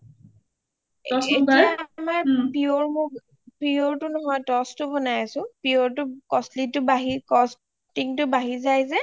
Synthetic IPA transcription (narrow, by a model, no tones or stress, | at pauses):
ɔsetijamaɹpioɹmʊk | pioɹtʊnɔɦɔjtɔstʊbɔnajasʊ̃pioɹtʊkɔslitʊbaɦikɔs | tiŋtʊbaɦizajzɛ